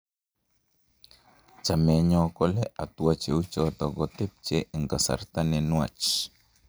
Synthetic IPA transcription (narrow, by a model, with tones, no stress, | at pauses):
t͡ʃa˨mɛ˨˦ɲɔ˦kɔ˦lɛ˦ʔa˨t̪u˨a˨t͡ʃe˨u˦t͡ʃɔ˦t̪ɔ˨ɡɔt̪e˦p̚t͡ʃe˦ʔɛ˨ŋɡa˨sa̰˨rt̪a˦nɛ˨nwa̰˨t͡ʃ